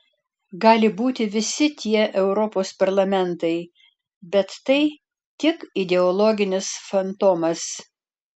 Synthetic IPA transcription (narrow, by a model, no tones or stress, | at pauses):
ɡɑːlʲɪbuːt̪ʲɪʋʲɪsʲɪt̪ʲiɛʔɛʊɾɔpoːspɐɾlˠɐmʲɛnt̪ɐɪ | bʲɛt̪ːɐɪ | t̪ʲɪkɪd̪ʲɛɔlˠɔɡʲɪnʲɪsfɐnt̪oːmɐs